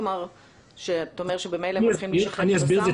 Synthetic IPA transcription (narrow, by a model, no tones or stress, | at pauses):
maʁ | ʃet̪aomeʁʃebemejlaimaniasbiʁeze